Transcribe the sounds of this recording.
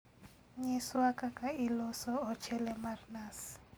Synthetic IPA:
ɲɛswakʼakʼailɔsɔɔt͡ʃʰɛlɛmarnas

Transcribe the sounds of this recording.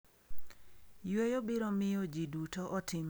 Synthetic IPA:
jwejobɪɾomɪjod͡ʒidutoʔɔtɪm

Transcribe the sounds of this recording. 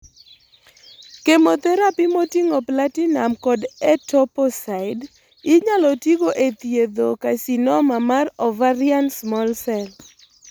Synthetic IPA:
kemot̪ɛɾapɪmotiŋoplatinamkɔdɛtɔpɔsaɪd | ɪɲalɔtiɡoʔet̪jed̪okasinɔmamarɔvaɾjansmɔlsɛl

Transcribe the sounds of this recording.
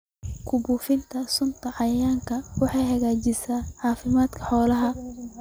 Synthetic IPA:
kʰʊbuːfɪnt̪ʰɐsʊnt̪ʰɐʕɑjaːŋkʰɐwɑħɑjhɐɣaːt͡ʃɪsaːʕɑːfɪmaːd̪kʰɐ̥ħɔːlɐɦɐ

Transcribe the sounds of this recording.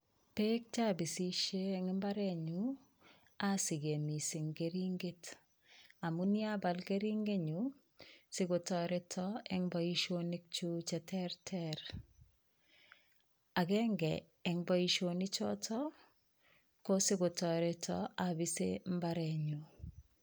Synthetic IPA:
pek̚t͡ʃabisiʃeŋmbaɾeɲu | asiɡemisiŋɡeɾiŋɡet | amuniabalkeɾiŋɡeɲu | siɡotɔɾɛtʰɔɛŋbɔiʃonik̚t͡ʃut͡ʃɛtɛɾtʰɛɾ | aɡɛŋɡɛ | ɛŋbɔiʃonit͡ʃɔ̰tʰɔ | kosɪɡotɔɾetɔ̰abisḛmbaɾɛɲu

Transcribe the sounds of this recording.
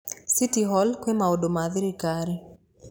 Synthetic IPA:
sitiɦɔlkwemaodomaðɪɾikaɾi

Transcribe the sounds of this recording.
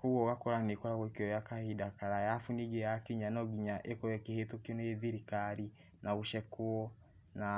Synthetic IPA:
kuɣɔɣakɔɾanekɔɾaɣwekeɔjakahidakaɾajafuniɡejakiɲanɔɡiɲaʔekɔjɛkehetokonoeðiɾikaɾi | naβuʃɛkuɔ | na

